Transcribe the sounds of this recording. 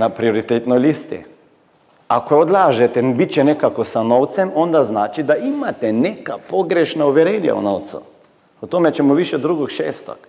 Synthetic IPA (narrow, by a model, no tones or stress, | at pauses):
napɾioɾit̪et̪nɔjlist̪ḭ | akood̪laːʒɛt̪ɛbit͡ʃɛnɛkakosanowt̪sɛmond̪aznaːt͡ʃid̪aimat̪ɛnekapoɡɾɛʃnauʋɛɾeːnja̰ṵnoːwt̪sṵ | ɔt̪omɛt͡ʃɛmɔʋiʃɛd̪ɾuɡokʃeːst̪o̰k